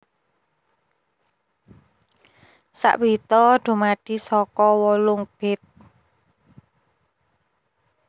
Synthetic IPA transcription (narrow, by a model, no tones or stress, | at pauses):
sa̰ʔwit̪ɔɖ̥o̤maɖ̥i̤sɔkɔwɔlʊŋb̥ɛt̪̚